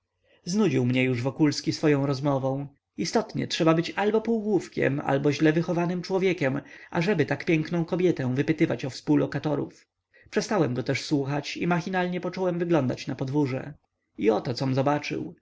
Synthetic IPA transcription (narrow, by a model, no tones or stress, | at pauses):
znud͡ʑiwmɲɛjuʐvɔkulskʲisfɔjɔ̃w̃ɾɔzmɔvɔ̃w̃ | ist̪ɔt̪ɲɛ̰tʂɛbabɘt͡ɕalbɔpuwɡwufkʲɛ̰ma̰lbɔʑlɛvɘxɔvanɘmt͡ʂwɔvʲjɛkʲɛmʔa̰ʐɛbɘt̪akpʲjɛŋknɔ̃w̃kɔbʲjɛt̪ɛ̃w̃vɘpɘt̪ɘvat͡ɕɔfspuwlːɔkat̪ɔɾṵf | pʂɛst̪awɛmɡɔt̪ɛʂswuxat͡ɕḭmaxʲinalɲɛpɔt͡ʂɔwɛmvɘɡlɔnd̪a̰t͡ɕnapɔd̪vuʐɛ̰ | iɔt̪ɔt̪sɔmzɔbat͡ʂɘ̰w